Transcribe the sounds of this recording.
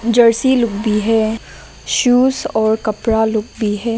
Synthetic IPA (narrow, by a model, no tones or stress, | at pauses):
d͡ʒɐɾsilʊk̚bʱiɦɛː | ʃuːsɔːɾkɐpɾalʊk̚bʱiɦɛː